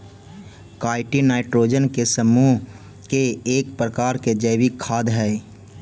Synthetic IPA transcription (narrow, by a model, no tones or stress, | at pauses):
kaːɪʈinaːɪʈɾoːd͡ʒənkesəmuː | keeːk̚pɾəkaːɾked͡ʒəɪwikʰːaːd̪ɦɛ